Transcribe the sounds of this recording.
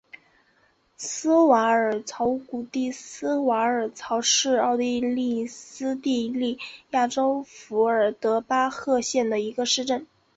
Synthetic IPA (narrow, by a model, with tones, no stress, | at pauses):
sɹ̩˥wa˧˥ə˞˨˩t͡sʰɑ˧˥ʊku˨˩t̪i˥˩sɹ̩˥wa˧˥ə˞˨˩t͡sʰɑ˧˥ʊʂɻ̩˥˧ɑ˥˧ʊt̪i˥˧li˥˩sɹ̩˥t̪i˥˧li˥˩ja˥˩ʈ͡ʂo˥ʊfu˧˥ə˞˨˩t̪ɤ˧˥pa˥xɤ˥˧ɕjɛ˥˩nd̪ə˩i˧˥ɡə˧ʂɻ̩˥˧ʈ͡ʂə˥˩n